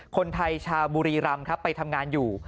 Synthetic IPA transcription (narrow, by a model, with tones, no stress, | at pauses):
kʰo˧nt̪ʰa˧jt͡ɕʰaː˧wbuː˧ɾiː˧ɾa˧mkʰa˦˥pːa˧jt̪ʰa˧mŋaː˧njuː˨˩